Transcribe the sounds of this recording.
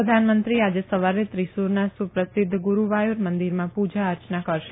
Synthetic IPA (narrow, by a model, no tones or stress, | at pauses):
əd̪ʱanmənt̪ɾiad͡ʒesəʋaɾet̪ɾisuɾnasupɾəsɪd̪ʱɡuɾuʋajuɾmənd̪iɾmãpud͡ʒaəɾt͡ʃnakəɾʃ